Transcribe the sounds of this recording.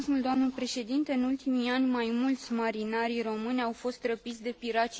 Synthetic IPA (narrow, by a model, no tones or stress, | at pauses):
smuld̪oamnəpɾe̞ʃe̞d̪int̪e̞ɨnult̪imianʲmajmult̪sʲmaɾinaɾiro̞mɨnʲawfo̞st̪rəpit̪sʲd̪e̞piɾat͡ʃ